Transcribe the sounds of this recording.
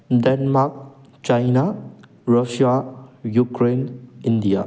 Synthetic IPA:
dɛnmak̚ | t͡ʃajna | ɾɔʃiajukɾenindia

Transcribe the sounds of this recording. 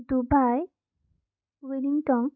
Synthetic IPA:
d̪ubaj | wiliŋʈɔŋ

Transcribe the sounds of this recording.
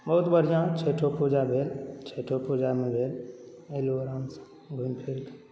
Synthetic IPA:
bəʊt̪bəɾ̤ijãt͡ʃʰeːʈʰopud͡ʒabʱeːlt͡ʃʰeʈʰopud͡ʒamẽbʱeːl | eluɾãːns | ɡʱunpʰeːt̪

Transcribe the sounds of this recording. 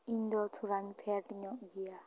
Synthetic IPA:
iɲd̪ɔt̪ʰuɾaɲpʰeɾʈɲɔʔɡija

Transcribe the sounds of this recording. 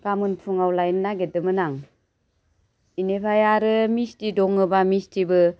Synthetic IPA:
kamɯnpʰuŋawlajnnaɡedɯmɯnaŋ | inepʰajaɾɯmistidɔŋɯbamistibɯ

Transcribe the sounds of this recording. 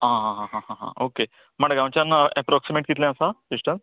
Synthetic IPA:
ɦãɦãɦãɦãɦãɦã̰ʔoke | m̤əɳɡãw̃t͡ɕanɛpɾɔksimeʈ̚kit̪lɛ̃əsafiʂʈə̃n

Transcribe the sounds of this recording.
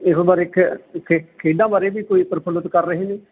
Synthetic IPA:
ɪsbaːɾɪkʰkʰekʰeːɖãːbaːɾeːbiːkoːiːpəɾpʰələt̪kəɾːəɦeːniː

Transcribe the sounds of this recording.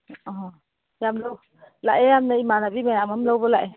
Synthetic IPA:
ɔɦɔ | jamləw | la̰jejamnaimanabimajamamləwbəla̰j

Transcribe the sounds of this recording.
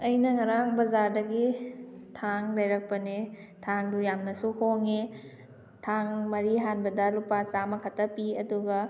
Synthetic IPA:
ɐjnɐŋɐɾaŋbɐzaɾdɐɡitʰaŋlajɾɐk̚pɐne | tʰaŋdujamnɐsuhoŋe | tʰaŋmɐɾiɦanbɐdɐlupat͡ʃamɐkʰɐtːɐpiɐduɡɐ

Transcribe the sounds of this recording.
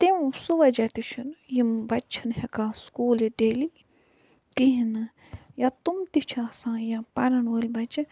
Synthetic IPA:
t̪eũsuʋɐd͡ʒɐt̪iʃʰinjimbɐt͡ʃʰinhekãːskuːleɖeːli | kiɦin | jat̪umt̪it͡ʃʰasãːjapɐɾɐnulʲbɐt͡ʃʰ

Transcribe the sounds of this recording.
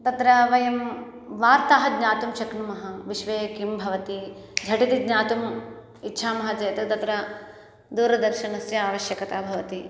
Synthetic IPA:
t̪ɐt̪ɾɐʋɐjɐm | ʋaːɾt̪aːɦɐɡɲaːt̪umt͡ʃɐknumɐɦɐʋiʃʋeːkimbʱɐʋɐt̪id͡ʒʱɐʈit̪iɡɲaːt̪um | itːʃʰaːmɐɦɐd͡ʒɐjɐt̪ɐt̪ɐt̪ɾɐ | d̪uːɾɐd̪ɐɾʃɐnɐsjɐaːʋɐʃjɐkɐt̪aːbʱɐʋɐt̪i

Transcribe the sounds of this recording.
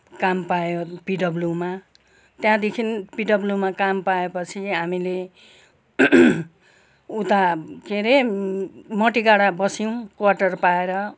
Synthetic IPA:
kampajopiɖʌbluma | t̪jãd̪ekʰinpiɖʌblumakampaepʌt͡sʰiɦamile | ut̪akeɾe | mʌʈiɡaɽabʌsiw̃kwaʈʌrpaeɾʌ

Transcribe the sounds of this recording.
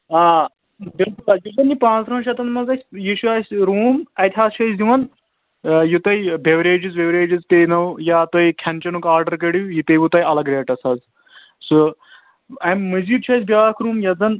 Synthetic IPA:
aː | bilkulajuzɐnːipãːnt͡s̪ɾɐ̃nʃɐt̪ɐnmɐzɐsʲjiʃuaːsʲɾuːmɐt̪ʲʰɦaːst͡ʃʰɐziʋɐn | jut̪ɐjbʱeʋɾeːd͡ʒizbeʋɾeːd͡ʒizkejnɐwjaːt̪oikʲʰɐnt͡ʃɐnukaːɾɖɐɾk̬əɽijit̪ɐjbut̪ɐjɐlɐɡɾeːʈɐsɐz | so | ɐmːɨziːʈt͡ʃʰɐːs̬ʲbjaːkʰɾuːmjɐzɐn

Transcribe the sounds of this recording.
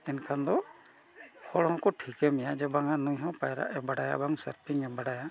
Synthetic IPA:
ɛnkʰand̪ɔ | hʰɔɽhɔ̃kɔʈʰikɛmɛjad͡ʒɛbaŋanujɦɔ̃pajɾa̰ʔɛbaɽaja̰baŋsaɾpʰiŋɛbaɽaja

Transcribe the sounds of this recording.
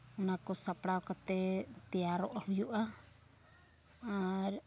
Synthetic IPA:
unakɔsapɽaokat̪ɛt̪ɛaɾɔʔahujuʔa | ɾ

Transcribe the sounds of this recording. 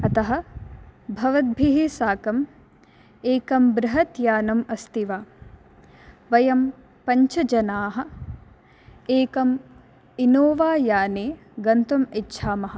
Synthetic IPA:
ɐt̪ɐɦɐ̆ | bʱɐʋɐd̪̚bʱiɦisaːkɐm | eːkɐmbɾɐɦɐt̪jaːnɐmɐst̪iʋaː | ʋɐjɐm | pɐɲt͡ʃɐd͡ʒɐnaːɦɐ̆ | eːkɐm | inoːʋaːjaːneː | ɡɐnt̪umitːʃʰaːmɐɦɐ̆

